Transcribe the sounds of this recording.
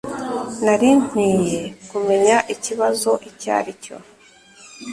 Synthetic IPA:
naɾim̥iːje̞kume̞ɲaʔiciβazo̞ʔica̰ːɾico̰

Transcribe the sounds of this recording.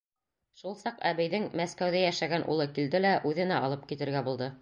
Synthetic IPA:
ʃulˠsɑqæβɘ̆jðɘŋmæskæwðæjæʃæɡænʔṵlˠɤkild̪ɘlæʔʉðɘ̆næɑlˠɤp̚kit̪ɘ̆ɾɡæbulˠd̪ɤ

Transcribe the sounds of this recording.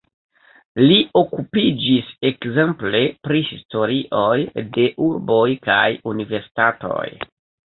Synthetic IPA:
lio̞kupid͡ʒise̞kze̞mple̞pɾihisto̞ɾiʔojde̞ʔuɾbo̞jkajunive̞ɾsi̥tato̞̰j

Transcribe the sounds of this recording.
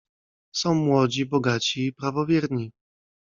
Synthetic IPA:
sɔ̃w̃mwɔd͡ʑibɔɡat͡ɕiːpɾavɔvʲjɛɾɲi

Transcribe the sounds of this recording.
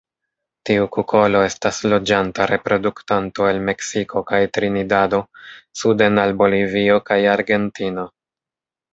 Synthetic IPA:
tiukukʰo̞lo̞e̞staslo̞d͡ʒantaɾe̞pɾo̞duktanto̞elme̞ksikʰo̞kajtɾinidado̞sude̞nalbo̞livio̞kajaɾɡe̞ntino̞

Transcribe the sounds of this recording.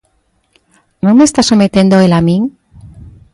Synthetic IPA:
nõŋmest̪asomet̪end̪oelamĩŋ

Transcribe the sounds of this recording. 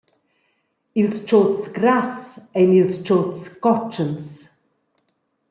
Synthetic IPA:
ilst͡ʃʰoːtsɡɾasɛnilst͡ʃʰoːtskɔt͡ʃəns

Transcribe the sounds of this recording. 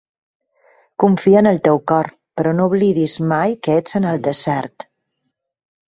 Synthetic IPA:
kuɱfiənəlˠt̪ewkɔɾ | pəɾɔnouβliðizmajkəed͡zənəlˠd̪əzɛɾt̪

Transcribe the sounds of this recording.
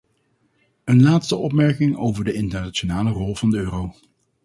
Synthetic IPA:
ənlaːtstəʔɔpmɛɹkɪŋo̰wvəɹdəɪntəɹnat͡ʃonaːlərɔlˠvɑndəøːrow

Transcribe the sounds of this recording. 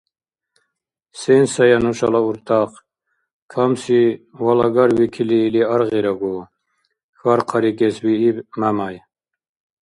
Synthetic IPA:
sɛnsajanuʃalauɾt̪ʰaq | kʰamsiwalɑɡaɾwikʰiliːliaɾʁiɾaɡu | xaɾqʰɑɾikɛswiːbmamaj

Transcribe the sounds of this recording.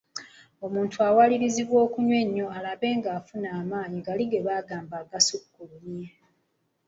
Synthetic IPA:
o̞muːntʰuawaliɾiziβwo̞ːkuɲwe̞ɲːo̞alaβe̞ːŋɡaːfunaːmaːɲiɡaliɡe̞βaːɡaːmbaɡasukːulunje

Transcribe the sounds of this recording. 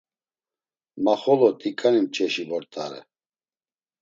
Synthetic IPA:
maχɔlɔt̪ʼikʼanimt͡ʃʼɛʃivɔɾt̪ʼa̰ɾɛ̰

